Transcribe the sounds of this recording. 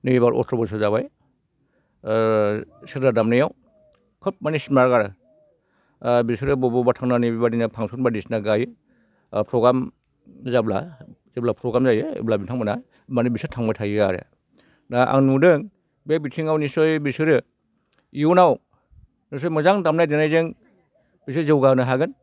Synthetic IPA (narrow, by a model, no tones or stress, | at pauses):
nɯibaɾʔɔ̰stɾɔbɔs̬azaβaj | sedadamnɯjaw | kʰɯp̚manismaɾɡaɾɯ | bisɯɾɯbɔbɔbatʰaŋnanibibaninapʰaŋsʰɔnbadisnaɡajɯ | pʰɾɔɡɾam | zabla̰zablapʰɾɔɡɾamzajḛblabitʰaŋmana | manibisɯtʰaŋmbatʰajiɡaɾḛ | naʔa̰ŋnudɯŋ | babitʰiŋawnisɔjbisɯɾɯ | iunaw | nis̬ɔjmɔzaŋdamnajdenajzɯŋ | b̥is̬ɯɾzɯwɡanɯɦaɡɯn